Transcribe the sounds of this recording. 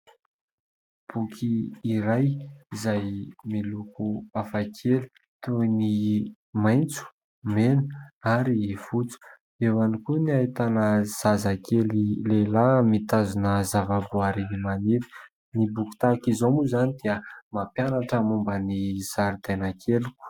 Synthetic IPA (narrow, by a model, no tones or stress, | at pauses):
b̥ukʰiːɾajizajmilukuafakʰeli̥ | t̪uni | majnt͡su̥ | menə̥aɾifut͡su̥ | ewanikuniait̪anəz̥azakelilelamit̪azunəzavabuaɾinimaniɾi̥ | nibuku̥t̪akizomuzanid̪̥iəmapjanaʈ͡ʂəmumbəniz̥aɾid̪anakʰeliku̥